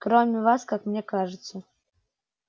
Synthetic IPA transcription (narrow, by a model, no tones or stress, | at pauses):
kɾomʲɪvaskakmnʲekaʐɨt̪sə